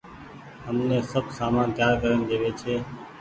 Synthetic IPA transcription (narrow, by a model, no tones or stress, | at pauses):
ɦəmnẽːsəbʱsaːmãːnt̪jaːɾkəɾənd̪eːʋeːt͡ʃʰeː